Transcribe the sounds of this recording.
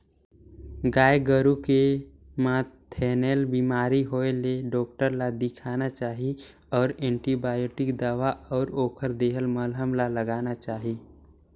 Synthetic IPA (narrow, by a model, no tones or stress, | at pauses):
ɡaːeɡəɾuke | mãːt̪ʰɛːneːlbiːmaːɾiɦoːeleɖɔːk̚ʈəɾlad̪ɪkʰaːnat͡ʃaːɦi | ɔːɾɛ̃ːɳʈibaːjoːʈɪkd̪aːʋaɔːɾoːkʰəɾd̪eːɦəlməlɦəmlaləɡaːnat͡ʃaːɦi